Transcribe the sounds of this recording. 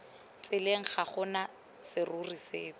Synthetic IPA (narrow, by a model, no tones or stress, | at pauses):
t͡sʼɪleŋ̩χaχʊna | sɪruriseːk